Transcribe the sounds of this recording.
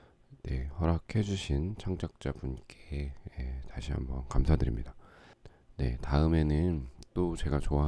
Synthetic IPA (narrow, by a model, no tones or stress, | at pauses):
ne̞hʌɾakʰe̞d͡ʑuɕʰint͡ɕʰaŋt͡ɕ͈ak̚t͡ɕ͈abunk͈eetaɕʰiɦa̰mbʌnkamsʰadɯɾḭmɲida | ne̞̰taɯme̞nɯnt͈ot͡ɕe̞ɡat͡ɕoaɦ